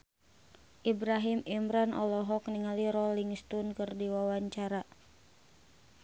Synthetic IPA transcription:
ʔibɾaɦimimɾanʔɔ̰lɔɦɔkniŋaliɾɔliŋst̪unkɨrdiwawaɲt͡ʃaɾa

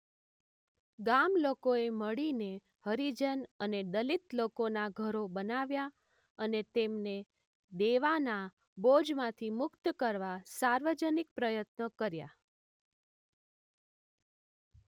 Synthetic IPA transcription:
ɡamlokoeməɽine | həɾid͡ʒənəned̪əlit̪lokonaɡʱəɾobənaʋja | ənet̪emne | d̪eʋana | bod͡ʒmãt̪ʰimʊkt̪kəɾʋasaɾʋəd͡ʒənik̚pɾəjət̪nəkəɾja̰

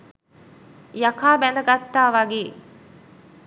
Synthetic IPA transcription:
jakaːbænəɡat̪ːaːʋaɡeː

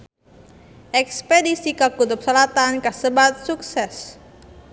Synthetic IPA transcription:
ʔɛkspedisikakut̪ʊp̚səlat̪ankəsəbat̪̚suksɛs

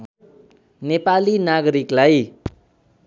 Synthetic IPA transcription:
nepalinaɡʌɾiklaj

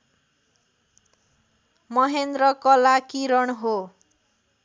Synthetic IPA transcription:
mʌɦend̪rʌkʌlakiɾʌɳɦo

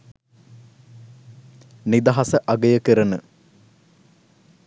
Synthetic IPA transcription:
nid̪ɐɦɐsəʔɐɡəjəkəɾənə

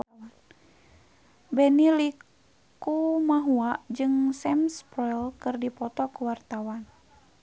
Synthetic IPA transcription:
n | bɛnilikː | umaɦuaʔd͡ʒɨŋsɛmspɔɛlkɨrdipɔt̪ɔkuwart̪awan

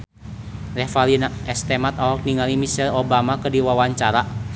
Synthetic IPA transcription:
rɛfalinaɛst̪ɛmat̪awɔk̚niŋalimisɛlobamakədiwawaɲt͡ʃaɾa

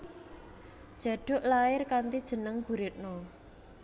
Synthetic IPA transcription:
d̥ʒ̥a̤ɖ̥ʊ̤ʔlaɪrkant̪id̥ʒ̥ə̤nəŋɡ̥uɾet̪̚no

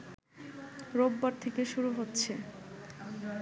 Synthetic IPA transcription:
ɾobːaɾt̪ʰekeʃuɾuɦotːɕʰe

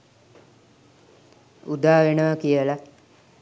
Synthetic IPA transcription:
ud̪aːʋenəʋɐkijəla

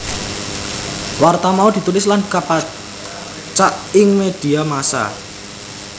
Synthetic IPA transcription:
wart̪amaud̪i̤t̪ulɪslankapa | t͡ʃaʔɪŋmed̪̥i̤amasa̰

